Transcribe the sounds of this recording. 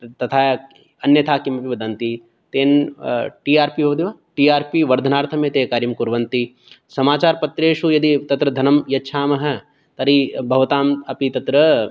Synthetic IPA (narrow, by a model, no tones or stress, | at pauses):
t̪ɐt̪ʰaː | ɐnjɐt̪ʰaːkimɐpiʋɐd̪ɐnt̪i | t̪eːnʈiːaːɾpiɦoːd̪iʋaːʈiːaːɾpiʋɐɾd̪ʱɐnaːɾt̪ʰɐmẽːt̪eːkaːɾimkuɾʋɐnt̪i | sɐmaːt͡ʃaːɾpɐt̪ɾeːʃujɐd̪it̪ɐt̪ɾɐd̪ʱɐnɐmjɐtːʃʰaːmɐɦɐ̆ | t̪ɐɾibʱɐʋɐt̪aːmɐpit̪ɐt̪ɾɐ